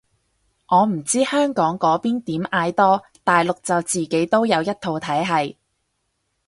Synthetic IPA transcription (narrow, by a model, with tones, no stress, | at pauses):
ʔɔː˨˧m̩˨˩t͡siː˥hœː˥ŋkɔː˨˥ŋkɔː˨˥piː˥nt̪iː˨˥mʔaː˧jt̪ɔː˥ | t̪aː˨jlʊ˨k̚t͡sɐ˨wt͡siː˨ke˨˥jt̪o˥wjɐ˨˧wjɐ˥t̚t̪ʰo˨˧wt̪ʰɐ˨˥jɦɐ˨j